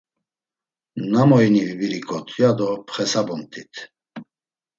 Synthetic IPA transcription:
namɔjnivibiɾikʼɔt̪ʰjad̪ɔpʰχɛsabɔnt̪ʰʼit̪ʰ

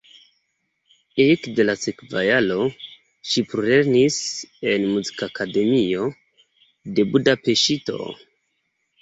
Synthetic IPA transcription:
ekde̞lasekvajalo̞ | ʃipɾole̞ɾnise̞nmuzi̥kaːkade̞mio̞ | de̞budape̞ʃito̞̰

